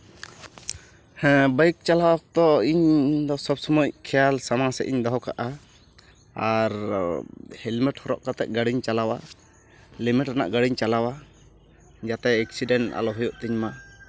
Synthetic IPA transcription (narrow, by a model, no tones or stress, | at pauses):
hɛ̃bajk̚t͡ʃalawak̚t̪ɔiɲd̪ɔsɔbsɔmɔc̚kʰɛjalsamasɛ̰ʔiɲd̪ɔɦɔka̰ʔa | aɾ | hɛlmɛʈhɔɾɔ̰ʔkat̪ɛʔ̚ɡaɽiɲt͡ʃalawa | limiʈɾana̰ʔɡaɽiɲt͡ʃalawa | d͡ʒat̪ɛɛksiɖɛnʈa̰lɔɦɔjɔʔt̪iɲma